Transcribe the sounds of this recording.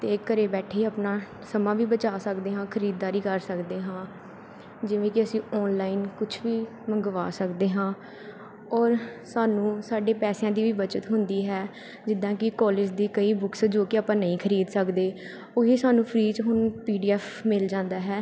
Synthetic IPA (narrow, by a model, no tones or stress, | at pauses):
t̪eːkːəɾeːbɛːʈʰeːapnaː | səmãːʋiːbət͡ʃaːsəkd̪eːɦãːkʰəɾiːd̪̚d̪aːɾiːkəɾsəkd̪eːɦãː | d͡ʒɪʋẽːkɪəsĩːɔːnlaːinkʊt͡ʃʰʋiː | məŋɡʋa̰ːsəkd̪eːɦãː | ɔːɾsaːnũːsaːɖeːpɛːsjãːd̪iːʋiːbət͡ʃət̪ɦʊnd̪iːɦɛː | d͡ʒɪd̪ãːkɪkɔːlɪd͡ʒd̪iːkəiːbʊksd͡ʒoːkeaːpãːnəĩːkʰəɾiːd̪səkd̪eː | oːɦiːsaːnũːpʰɾiːt͡ʃɦʊnpiːɖiːɛːfmɪld͡ʒãːnd̪aːɦɛː